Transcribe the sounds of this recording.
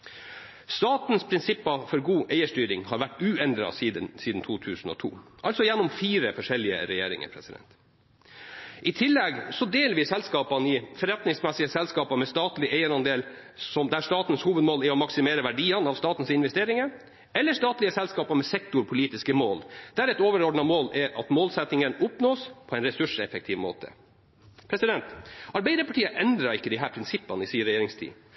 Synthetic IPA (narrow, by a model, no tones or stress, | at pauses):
st̪ɑːt̪n̩spʰɾɪnsɪpːɑfɔɾɡuːʔæɪəʂʈyːɾɪŋhɑːɾʋæʈːʉːɛnd̪ɾɑ̰siːd̪ənsiːd̪n̩t̪ʰuːt̪ʰʉːsn̩ɔ̰t̪ʰṵːʔɑlt̪sɔjɛnːɔmfiːɾəfɔʂɛlːɪə̰ɾɛjḛːɾɪ̰ŋə̰ɾpʰɾɛsɪd̪ɛ̰nt̪ | ʔɪt̪ʰɪlːɛɡsɔd̪eːlʋiːsɛlskɑːpɑnɪfɔɾɛt̪nɪŋsmɛsɪəsɛlskɑːpɑmɛst̪ɑːt̪lɪʔæɪəɾɑnd̪eːl | sɔmd̪æʂt̪ɑːt̪n̩shuːʋəd̪moːlæɾɔmɑksɪmeːɾəʋæɖiːɑnɑʋst̪ɑːt̪n̩sɪnʋɛst̪eːɾɪŋə | ɛlːəʂt̪ɑːt̪lɪəsɛlskɑːpɑmɛsɛk̚t̪ʊɾpʰʊliːt̪ɪskəmoːld̪̥æɾɛt̪oːʋəɾɔɖnɑmoːlɛʔɑt̪moːlsɛt̪nɪŋənʊpnoːspʰɔɛɪnɾɛsʉʂɛfək̚t̪ʰɪʋmo̰ːt̪ʰə̰ | pʰɾɛsɪd̪ɛnt̪ɑɾbæɪd̪əpɑʈʰiːəʔɛnd̪ɾɑɾɪkːəd̪ɪɦæːɾpʰɾɪnsɪpːɑnəɪsiːəɾɛjeːɾɪŋst̪ʰḭː